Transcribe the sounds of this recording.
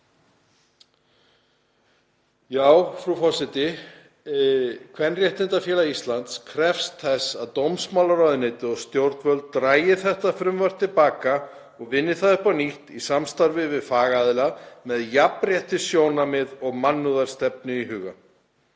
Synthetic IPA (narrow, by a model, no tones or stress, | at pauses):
jaːwfɾufɔsɪt̪ɪ | kʰvɛnrjɛht̪ɪnt̪afjɛːlaist̪lant̪skʰɾɛfst̪θɛsːaðt̪owmsmawlaɾɔɥðɪneːjt̪ɪɔɣst̪jowɾt̪nvœlt̪̚t̪ɾaːjɪθɛht̪afɾʏmvaɾ̥t̪ʰːɪlpaːka | ɔɣvɪnːɪθaðʏhpaniht̪isamst̪aɾvɪvɪðfaːɣaðɪlamɛðjapɾjɛht̪ɪsjoːwnamɪðɔɣmanːuðaɾ̥st̪ɛp̚nɪiɦʏːɣa̰